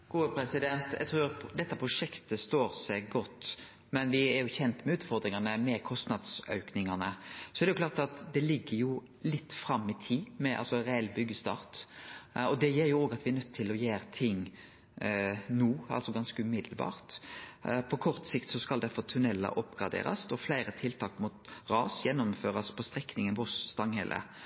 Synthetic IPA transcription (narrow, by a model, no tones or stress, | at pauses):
ɡ̥uːəpʰɾɛsɪd̪ɛnt̪jæ̰ɡt̪ʰɾʉːd̪ɛt̪ːəpʰɾʊʂɛkt̪əst̪oːɾsɛɡɡɔt̪ː | mɛnʋɪæɾjʊçɛnt̪mɛʉːt̪fɔɾd̪ɾɪŋɑnəmɛkʰɔst̪nɑd̪sœʉknɪŋɑnəsɔɛɾɛjʊklɑːɾt̪ɑt̪d̪ɛlɪɡːəjʊ | lɪt̪ːfɾɑmːɪt̪ʰiːmɛʔɑ̰lsɔɾɛɛlbʏɡːəst̪ɑ̰ːʁt̪ | ɔd̪ɛjeːʁjʊoːɡɑt̪ʋɪɛɾnœt̪ʰːɪlɔjæːɾt̪ʰɪŋː | nuːɑ̰lsɔɡɑnskəʉmɪd̪lbɑ̰ːʁt̪ | pʰɔkʰɔʁt̪sɪkt̪sɔskɑld̪æɾfɔʁt̪ʰʉnɛlːɑ̰ʔɔpːɡʁɑ̰d̪ḛːɾɑ̰sɔflæɪɾət̪ʰɪlt̪ʰɑːkmut̪ʁɑːsjɛnːɔmføːɾɑspʰɔst̪ʁɛkːnɪŋənʋɔsst̪ɑŋhɛ̰lʔə̰